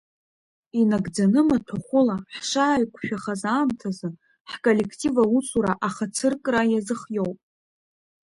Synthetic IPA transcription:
inaɡd͡zanɨmatʰoχʷʊlaħʂaʕajkʷʰʃᶣaχazaːmtʰazɨ | ħkʼolʲe̞kʰtʼivausʰʼuɾaʔaχat͡sʰɨrkʼrajazɨχjowpʼ

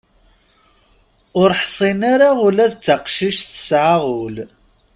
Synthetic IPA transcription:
ʊɾħsˤinaɾaʊlæðt͡sːaqʃiʃθə̥sʕaʁʊl

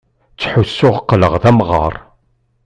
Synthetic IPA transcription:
t͡sːħʊsːʊʁqːləʁðæmʁə̰ɾˤ

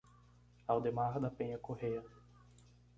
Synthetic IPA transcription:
awd̪emaɾd̪ɐpẽɲɐkoheɾ

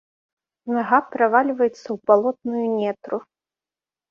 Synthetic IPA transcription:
naɣapɾavalʲvɐjɛt̪sːɐwbalˠɔt̪̚nujunʲɛt̪ɾu

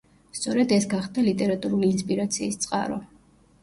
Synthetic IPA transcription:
st̪sʼɔɾɛd̪ɛsɡaχd̪alit̪ʼɛɾat̪ʼuɾuliːnspʼiɾat̪sʰiːst̪sʼqʼa̰ɾɔ

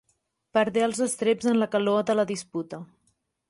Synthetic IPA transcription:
pəɾðeəlˠzəst̪ɾebzənləkəloəðələðisput̪ə

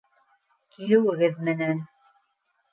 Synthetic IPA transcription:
kilɘ̆wɘ̆ɣɘðmɘ̆næn

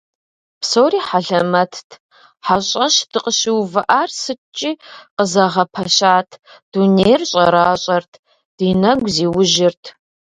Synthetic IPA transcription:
psoːriːħaɮɐmɐtʰtʰ | ħaɕʼɐʃd̥ɨqʼəʃɪwvɨʔaːrsɨt͡ʃʼiːqəzɐʁɐpʰɐɕaːtʰd̥unejrɕʼɐɾaːɕʼɐrtʰ | d̥iːnɐɡʷziːwʊʒɪrtʰ

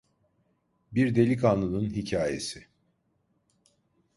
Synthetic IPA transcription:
biɾd̪e̞lʲikanlˠɯnɯnɦicʰaːje̞̰sɪ

